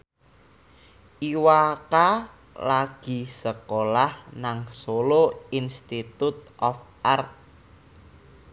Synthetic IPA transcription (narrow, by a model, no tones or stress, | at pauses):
ʔiwaka | laɡ̥i̤səkolahnaŋsoloinst̪it̪ut̪̚ʔɔf | art̪̚